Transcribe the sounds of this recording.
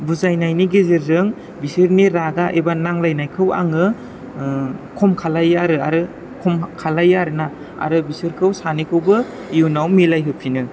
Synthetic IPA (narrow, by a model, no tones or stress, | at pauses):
buzajnajniɡezeɾzɯŋ | bisɯɾniɾadaʔebanaŋlajnajkʰɯwa̰ŋɯ | kʰɔmkʰalajaɾɯa̰ɾɯ | kʰɔmkʰalajaɾɯna | a̰ɾɯbisɯɾkʰɯwsanikʰɯwbɯ | iunawmilajɦɯpʰinɯ